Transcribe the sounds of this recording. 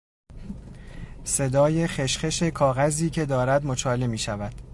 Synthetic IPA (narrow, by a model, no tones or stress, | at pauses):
se̞d̪ɒːje̞xeʃχe̞ʃe̞kʰɒːɣæziːcʰe̞d̪ɒːɾæd̪mot͡ʃʰɒːle̞miːʃævæd̪̥